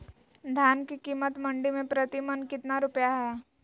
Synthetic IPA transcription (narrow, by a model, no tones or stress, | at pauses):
d̪ʱjaːnkikiːmət̪mɐ̃ɳɖimẽpɾət̪imənkɪt̪naɾʊpjaɦɛ